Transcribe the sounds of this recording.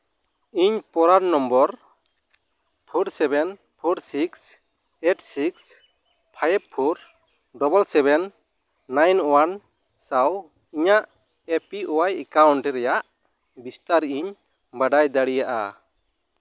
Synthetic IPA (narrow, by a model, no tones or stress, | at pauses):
iɲpɔɾaɖnɔmbɔɾ | pʰuɾsɛbɛn | pʰɔɾsiks | eʈsiks | pʰajb̚pʰɔɾ | ɖɔbɔlsɛbɛnː | ajnɔwan | saw | iɲaʔ | epiʔɔwajɛkawɳʈɛɾɛjaʔ | bist̪aɾiɲ | baɖajd̪aɽijaʔa̰